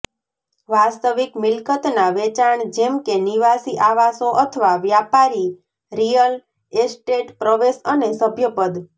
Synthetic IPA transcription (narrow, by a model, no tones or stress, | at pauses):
ʋast̪əʋikmɪlkət̪naʋet͡ʃaɳd͡ʒemkeniʋasiʔaʋasoʔət̪ʰəʋaʋjapaɾi | ɾijəl | esʈeʈpɾəʋesənesəbʱjəpəd̪